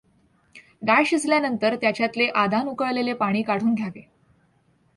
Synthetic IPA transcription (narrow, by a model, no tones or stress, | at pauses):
ɡajɕisljanənt̪əɾt̪jat͡ɕjat̪leʔad̪ʱanukəɭlelepaɽ̃iːkaɽ̤uːnɡʱjaʋe